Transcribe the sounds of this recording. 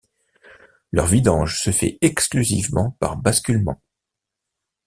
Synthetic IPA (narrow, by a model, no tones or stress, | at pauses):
lœʁvid̪ɑ̃ʒsəfɛ̰ɛksklyzḭvmɑ̰̃pa̰ʁbaskʲylmɑ̰̃